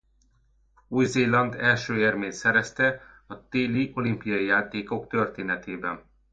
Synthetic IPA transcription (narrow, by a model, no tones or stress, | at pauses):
uːjzeːlɒnd̪ɛlʃøːermeːnsɛɾɛst̪ɛ | ɒt̪eːliʔo̞limpijɒijaːt̪eːko̞kt̪ø̞rt̪eːnɛt̪eːbɛn